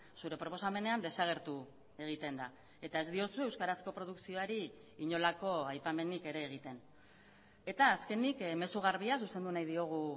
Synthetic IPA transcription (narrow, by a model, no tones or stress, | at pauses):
suɾe̞pɾo̞po̞same̞ne̞and̪e̞saɣ̞e̞ɾt̪u | e̞ɣ̞it̪e̞nd̪a | e̞t̪ae̞zd̪io̞sue̞wskaɾasko̞pɾo̞ð̞uksio̞aɾi | iɲo̞lako̞ajpame̞nike̞ɾe̞ːɣ̞it̪e̞n | e̞t̪aːske̞nikme̞suɣaɾβiasuse̞nd̪unajðio̞ɣ̞u